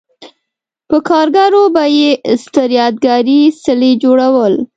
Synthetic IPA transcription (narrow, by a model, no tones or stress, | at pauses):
pəkɑɾɡaɾobajest̪əɾjɑd̪̚ɡaɾisɪled͡ʒoɽawəl